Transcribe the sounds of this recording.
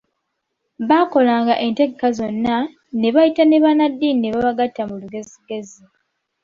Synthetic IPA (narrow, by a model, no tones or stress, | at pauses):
βako̞laːŋɡaʔe̞nteɡekazo̞nːa | ne̞βajitane̞βanadːinine̞βaβaɡatːamuluɡe̞ziɡe̞zi